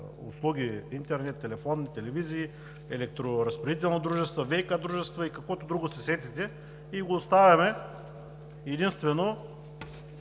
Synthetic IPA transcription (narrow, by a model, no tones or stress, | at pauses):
ʊ̰slˠuɡʲiint̪ɛɾnɛt̪ːɛlɛfonːit̪ɛlɛviziː | ɛlɛk̚t̪ɾoɾɐspɾɐd̪it̪̬ɛlˠnod̪ɾuʒɛst̪vovɛjkad̪ɾuʒɛst̪vɐikɐkvot̪od̪ɾuɡʊsɛsɛt̪it̪ɛ | iɡoːst̪avʲɐmɛ | ɛd̪inst̪vɛno